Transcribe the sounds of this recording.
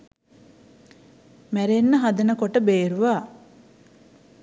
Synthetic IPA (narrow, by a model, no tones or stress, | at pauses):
mæɾenːəɦad̪ɐnəkoʈəbeːɾuʋaː